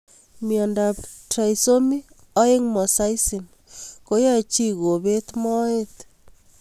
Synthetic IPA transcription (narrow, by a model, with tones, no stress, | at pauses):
mjɔ˨nda˨ptɾa˨iso˦mi˦ | ɔ˦e˦ŋmɔ˨sa˦i˦si˨m | ko˦ja˦e˨t͡ʃi˦ɣo˨be˦t̪mɔ˦e˦t